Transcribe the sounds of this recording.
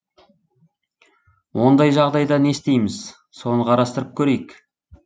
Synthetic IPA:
wo̞nd̪ɑjʒɑʁd̪ɑjd̪ɑne̞st̪e̞jmɪz | so̞nəqʰɑɾɑst̪əɾəp̚kʲʰɵɾe̞jɪk

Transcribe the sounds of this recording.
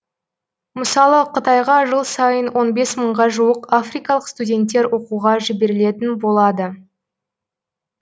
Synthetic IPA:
məsɑlˠəqʰət̪ɑjʁɑʒəlˠsɑjənwʔo̞nbe̞sməɴʁɑʒuəqafrijkɑlˠəqst̪udʲe̞nt̪ːe̞ɾwo̞quʁɑʒɪbe̞ɾɪle̞t̪ɪnbo̞lˠɑd̪ə

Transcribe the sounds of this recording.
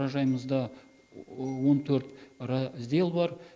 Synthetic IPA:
ɑʒɑjməzd̪ɑ | wo̞nt̪ʰɵɾt̪ɾɑzʲd̪e̞lˠbɑɾ

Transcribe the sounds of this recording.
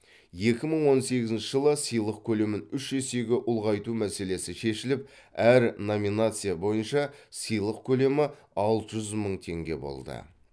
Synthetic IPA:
je̞kʲɪməɴwo̞nse̞ɡʲɪzɪnʃɪʒəlˠəsijlˠəq̚kʲʰɵle̞mɪnʏʃʒe̞se̞ɡʲɪʔʊlˠʁɑjt̪umæse̞le̞sɪʃe̞ʃɪlɪp̚ | æɾno̞mʲinat̪sɨjabo̞jənʃɑsəjlˠəqkʲʰɵle̞mɪ | ɑlˠt̪əʒʏzməɴt̪ʰe̞̰ŋɡʲe̞̰bo̞̰lˠd̪ə̰

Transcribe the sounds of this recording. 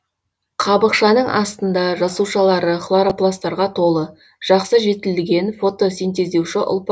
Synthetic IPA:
qʰɑbəqʃɑnəɴʔɑ̰st̪ənd̪ɑʒɑsuʃɑlˠɑɾəχlˠaɾoplˠast̪ɑɾʁɑt̪ʰo̞lˠə | ʒ̥ɑqsəʒe̞t̪ɪlɡʲe̞nfo̞t̪o̞sijnt̪e̞zd̪e̞wʃɪʔʊ̰lˠp

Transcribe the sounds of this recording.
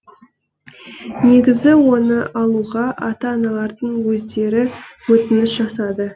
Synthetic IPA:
ne̞ɡʲɪzɪwo̞nəʔɑlˠuʁɑʔɑt̪ɑːnɑlˠɑɾd̪əɴwɵzd̪e̞ɾɪwɵt̪ɪnɪsʒɑsɑd̪ə

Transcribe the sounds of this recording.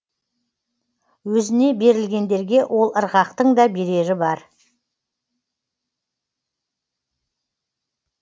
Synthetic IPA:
wɵzɪne̞be̞ɾɪlɡʲe̞nd̪e̞ɾɡʲe̞wʔo̞lˠəɾʁɑqt̪əɴd̪ɑbe̞ɾe̞ɾɪbɑɾ

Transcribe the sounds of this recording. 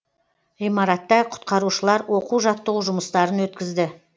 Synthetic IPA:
ijmɑɾɑt̪ːɑqʰʊ̥t̪̚qɑɾuʃəlˠɑɾwʔo̞quwʒɑt̪ːəʁuʒʊməst̪ɑɾənwɵt̪̚kʲɪzd̪ɪ

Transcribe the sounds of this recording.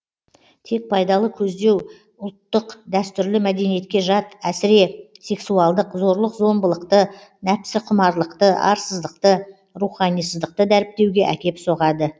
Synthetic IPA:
t̪ʰe̞k̚pʰɑjd̪ɑlˠəkʲʰɵzd̪e̞w | ʊlˠt̪ːəqd̪æst̪ʏɾlɪmæd̪e̞nije̞t̪̚kʲe̞ʒɑt̪æsɪɾe̞se̞ksuɑlˠd̪əqzo̞ɾlˠəqzo̞mbəlˠəqt̪ənæpsɪqʰʊmɑɾlˠəqt̪əʔɑ̰ɾsəzd̪əqt̪ə | ɾuχɑnijsəzd̪əq̚t̪əd̪æɾɪp̚t̪e̞wɡʲe̞ʔækʲe̞pso̞ʁɑd̪ə

